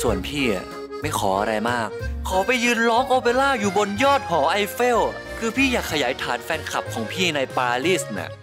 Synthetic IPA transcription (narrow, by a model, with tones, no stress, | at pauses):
su˨˩ənpʰiː˥˩a̰˨˩ | ma˥˩jkʰɔː˩˦ʔa˧ɾa˧jmaː˥˩k̚ʰːɔː˩˦pa˧jːɯː˧nlɔː˦˥ŋʔoː˧pe˧laː˥˩juː˨˩bo˧njɔː˥˩t̪̚hɔː˩˦ʔa˧jfe˥˩w | kʰɯː˧pʰiː˥˩jaː˨˩kʰːa˧jaː˩˦jt̪ʰaː˩˦nfɛː˧nkʰa˨˩p̚kʰɔː˩˦ŋpʰiː˥˩na˧jpaː˧liː˥˩sna̰˧˩